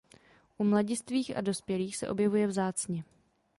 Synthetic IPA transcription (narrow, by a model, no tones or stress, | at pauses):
ʔumlaɟɪst̪viːxa̰do̞spjɛliːxsɛ̰ʔo̞̰bjɛvujɛvzaːt͡sɲɛ